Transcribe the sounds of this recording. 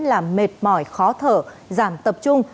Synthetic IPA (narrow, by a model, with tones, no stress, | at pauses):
laː˨˩mme˨˩t̚mɔ˧˩jxɔ˨˦t̪ʰə̰ː˧˨zaː˧˩mt̪ə˨˩p̚t͡ɕʊ˧ŋ͡m